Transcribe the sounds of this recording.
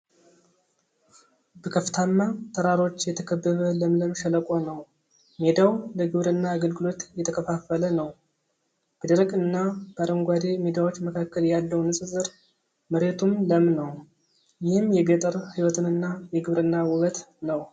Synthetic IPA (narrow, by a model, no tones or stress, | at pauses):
bəkʰəft̪ʰanːat̪ʰəɾaɾo̞t͡ʃːjɛt̪ʰəkʰəbːəβələmləmʃələkʼo̞nəw | med̪awləɡɨβɾɨnːaːɡəlɡɨlo̞t̪jɛt̪ʰəkʰəfafːələnəw | b̥əd̪əɾəkʼɨnːab̥aɾəŋɡʷad̪e̞med̪awo̞t͡ʃːməkʰakːəljɛjalːəwnɨsʼɨzɨɾ | məɾet̪ʰumləmnəw | jɪhɨmjɛbet̪ʼəɾhiwɔt̪ʰɨnɨnːajɛɡɨβɾɨnːawɨβət̪nəw